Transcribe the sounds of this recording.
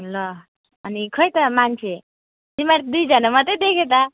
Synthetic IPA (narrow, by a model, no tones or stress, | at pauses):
lʌ | ʌnikʰʌjt̪ʌmant͡sʰe | d͡zimaɾd̪ujd͡zʌnamʌt̪ʌjd̪ekʰet̪ʌ